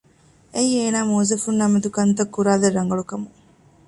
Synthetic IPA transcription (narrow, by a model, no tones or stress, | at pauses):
ejeːnaːmoːzɐfunːɐmed̪ukɐnt̪ɐkːuɾaːd̪ɐɾːɐŋɡɐɭukɐmu